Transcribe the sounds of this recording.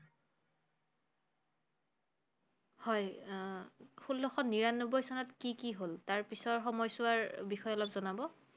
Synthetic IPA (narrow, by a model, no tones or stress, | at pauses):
hɔj | xulːɔxɔnːiɹanːobɔjsɔnɔtkikiɦoltaɹpisɔɹxɔmɔjsʊwaɹbixɔjɔlɔpzɔnabɔ